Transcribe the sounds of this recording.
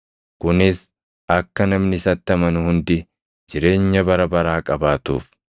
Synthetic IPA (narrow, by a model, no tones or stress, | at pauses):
kʊnɪs | ɐkːɐnɐmnɪsɐt̪ːɐmɐnʊhʊnd̪ɪ | d͡ʒɪɾe̞ːɲːɐbɐɾɐbɐɾaːkʼɐbaːt̪ṵːf